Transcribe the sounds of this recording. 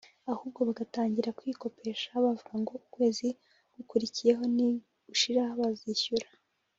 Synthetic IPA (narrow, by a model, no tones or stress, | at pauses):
ahuːb̚ɡo̞βaɡataːɲɟiɾakwiːko̞pʰe̞ːʃaβavuɡaŋɡo̞ukwe̞ːzi | ɡ̥ukuɾicije̞ɦo̞ni | uʃiɾahaβaziçuɾḁ